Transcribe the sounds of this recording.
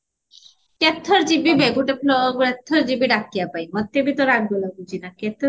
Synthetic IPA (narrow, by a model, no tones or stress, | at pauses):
ket̪ʰːoɾd͡ʑibibeɡuʈepʰloɡuɾet̪ʰːoɾd͡ʑibiɖakːijapajmɔt̪ːebit̪oɾaɡ̚bolaɡud͡ʑinaket̪ʰːo